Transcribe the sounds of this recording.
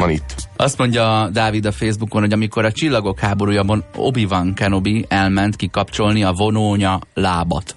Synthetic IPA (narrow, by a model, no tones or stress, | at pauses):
ɒnit̪ːɒst̪mo̞ɲɟɒd̪aːvid̪ɒfeːzbukonɦo̞ɟɒmiko̞ɾɒt͡ʃilːɒɡo̞khaːbo̞ɾuːjɒbno̞̰bivɒŋkɛno̞biɛlmɛnt̪kikɒpt͡ʃo̞lniɒvo̞noːɲɒlaːbɒ̰t̪